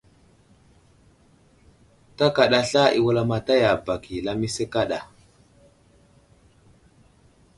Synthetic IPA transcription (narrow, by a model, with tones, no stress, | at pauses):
ta˦ka˨ɗa˨ɬa˦i˨wu˦la˦ma˨ta˦ja˨ba˨ki˨la˦mi˦se˦ka˦ɗa˨